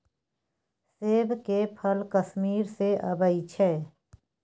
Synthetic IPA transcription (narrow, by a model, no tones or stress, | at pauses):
seːbkepʰəlkəsmiːɾseʔəbəit͡ʃʰɛː